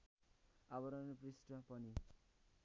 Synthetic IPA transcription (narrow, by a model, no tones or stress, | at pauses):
abʌɾʌnʌprisʈʌpʌni